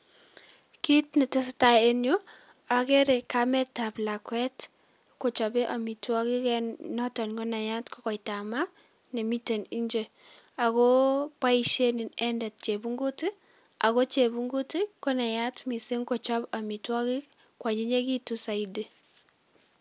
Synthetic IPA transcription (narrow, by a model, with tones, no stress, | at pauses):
ki˦tnɛ˨tɛ˦s̬ta˨e˦njo˦ | a˨kɛ˦ɾe˨kamɛ˦ta˨pla˨kwɛ˦t | ko˨t͡ʃɔbe˦ʔa˨mi˨twɔ˦ki˦kɛnnɔ˦tɔ˨nko˦na˨ja˦tkɔ˦kɔ˨jta˨ma˦ | nɛ˨mi˦te˨ni˦ɲd͡ʒe˦ | a˨kɔ˦pa˦iʃe˦ni˨nɛ˦nda˨t̚t͡ʃe˨bu˦ŋɡo˦ti˦ | a̰˨ko˦t͡ʃe˨bu˦ŋɡu˦ti˦kɔ˦na˨ja˦tmi˨sɪ˦ŋkɔ˨t͡ʃɔ˦ba˨mi˨twɔ˦ki˦ | kwa˨ɲi˦ɲe˦ki˦tusa˨ide˨